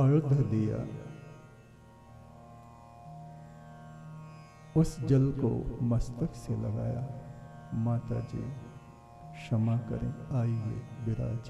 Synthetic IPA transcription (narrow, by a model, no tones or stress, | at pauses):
aːjʊd̪ʱd̪ija̰ | ʊsd͡ʒɐlko̰mɐst̪əkselɐɡaːja | maːt̪ad͡ʒḭː | ʃɐmakɐɾḛ̃aːiɦḛbɪɾa̰ːd͡ʒ